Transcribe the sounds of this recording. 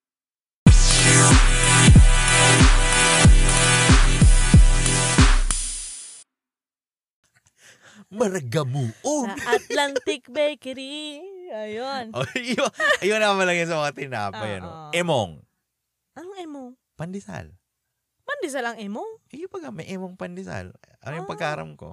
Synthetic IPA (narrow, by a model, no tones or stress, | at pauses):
mɐɾɐɡɐmuːʔonɐlant̪ɪk̚bɛjkɾiɐjonʔojoɐjonamɐlɐŋjɐns̬ɐmɐŋat̪ɪna̰ːpɐjɐ̰no̰ʔɛmoŋ | ʔɐnŋɛmoŋ | pɐnd̪ɪsa̰l | pɐnd̪ɪsalɐŋɛmoŋʔɪjʊpɐɡamɐʔɛmoŋpɐnd̪ɪsa̰lʔɐ̰nojʊŋpɐɡ̚kaːɾɐ̰mko̰